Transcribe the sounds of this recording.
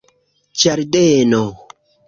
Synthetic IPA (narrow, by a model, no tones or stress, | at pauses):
t͡ʃaɾdeno